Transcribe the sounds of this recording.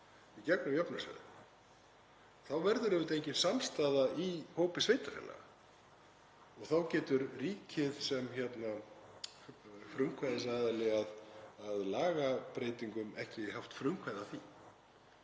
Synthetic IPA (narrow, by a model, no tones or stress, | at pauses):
icɛknʏmjœpnʏsɛ̰ðʏ̰ | θawvɛɾðʏɾɛvɪt̪ejɲcɪnsamst̪aːðaihoːwpɪsveːjt̪afɛ̰lːa̰ɣa̰ | ɔɣθawcɛːt̪ʏɾriːcʰɪðsɛmçɛt̪na | fɾʏŋkʰvajðɪsaːðalɪɣaðaðlaːɣapɾeːjt̪iŋkʏmɛhcɪɛɦaft̪fɾʏŋkʰvajðaθi